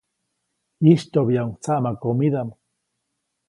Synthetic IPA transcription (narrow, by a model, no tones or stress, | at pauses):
iʃt̪objaŋt͡samakomid̪am